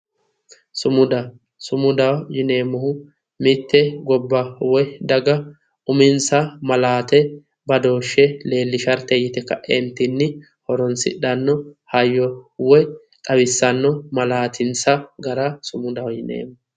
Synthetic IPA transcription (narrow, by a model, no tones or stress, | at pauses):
sʊmʊd̪ɐ | sʊmʊd̪ɐwjɪne̞ːmːɔhʊ | mɪt̪ːɛɡɔbːahwɔd̪ɐɡɐ | ʔʊmɪnsɐmɐlaːt̪ɛ | bɐd̪o̞ːʃːɛle̞ːlːɪʃɐɾt̪ɛjɪt̪ɛkːɐʔɛnt̪ːɪnːɪ | hɔɾɔnsɪ̰ɗɐnːɔhɐjːɔwɔ | kʼɐbɪsːɐnːɔmɐlaːt̪ɪnsɐɡɐɾɐsʊmʊd̪ɐwjɪnḛːmːɔ